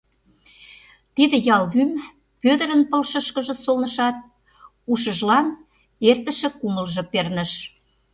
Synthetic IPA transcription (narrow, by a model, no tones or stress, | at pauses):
t̪id̪ə̆jɑlɣym | pød̪ə̆ɾə̆npə̆lʃəʃkə̆ʒə̆solnə̆ʃɑt̪̚ | uʃə̆ʒlɑn | ert̪ə̆ʃĕkuməlʒɤ̆pernə̆ʃ